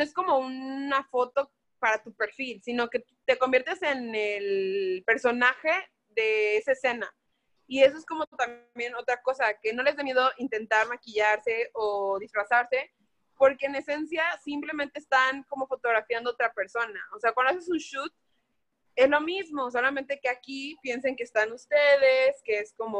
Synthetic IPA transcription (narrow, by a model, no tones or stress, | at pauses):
noe̞sko̞mo̞unnafo̞t̪o̞ | paɾat̪upe̞ɾfilsino̞ke̞t̪t̪e̞ko̞mbjeɾt̪e̞se̞nelpe̞ɾso̞naxe̞ | ðe̞esaese̞na | ie̞s̬o̞esko̞mot̪ambje̞no̞t̪ɾako̞sake̞no̞le̞zðemje̞ðo̞ʔint̪e̞nt̪aɾmakiʝaɾse̞ʔoðisfɾasaɾse̞ | po̞ɾkeːne̞se̞nsjasimple̞ment̪eːst̪aŋko̞mo̞fo̞t̪o̞ɣɾafjand̪oot̪ɾape̞ɾso̞nao̞se̞akwand̪oases̬unʃut̪̚ | e̞zlo̞mizmo̞s̬o̞lamẽnt̪e̞ke̞akipje̞nseŋke̞ːst̪anust̪e̞ðe̞ske̞e̞sko̞mo